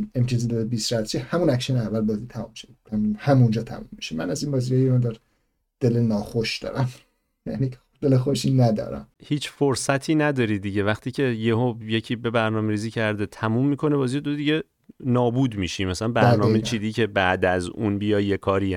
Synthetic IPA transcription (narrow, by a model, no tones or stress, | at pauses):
emt̪ijɒzid̪ɒd̪ebiːsɾæt̪t͡ʃihæmunækʃenɛævːælbɒzit̪ʰæmumːiʃed̪it̪ʰæmhæmund͡ʒɒːt̪ʰæ̰mumːiʃemænæziːnbɒːzijejmɔnd̪ɒɾ | d̪̥e̞lenɒːxoʃd̪ɒ̰ːɾæm | jæ̰ni | d̪̥elexoʃinæd̪ɒ̰ːɾæ̰mhiːt͡ʃfoɾsæt̪ʰiːnæd̪ɒːɾid̪iɟevæχt̪ʰiːcʰe̞jeɦojecʰiːbe̞bæɾnɒːmeɾiːziːcʰæɾd̪et̪ʰæmumːiːkʰo̞nebɒːzijed̪od̪iɟe | nɒːbuːd̪miʃimæsælænbæɾnɒːmejt͡ʃʰiːd̪iːcʰe̞bæʔd̪æzunbijɒːjjekʰɒːɾi